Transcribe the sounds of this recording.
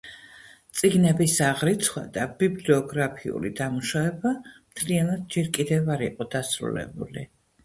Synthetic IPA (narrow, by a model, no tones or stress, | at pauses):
t̪sʼiɡnɛbisaʁɾit̪sʰχwa̰d̪ab̥ibliɔɡɾapʰiṵlḭd̪amuʃavɛbamt̪ʰlianad̪̚d͡ʒɛɾkʼid̪ɛvaɾḭqʼɔd̪asɾṵlɛ̰bṵlḭ